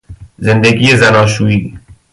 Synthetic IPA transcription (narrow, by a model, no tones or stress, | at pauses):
zend̪eɡijezænɒːʃuːiː